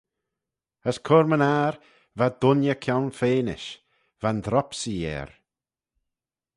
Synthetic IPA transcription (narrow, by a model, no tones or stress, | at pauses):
əskʰʊɾmənaɾ | vad̪ʊnjəkʰjawnfeːnɪʃ | vand̪ɾɔpsijɛ̰ːɾ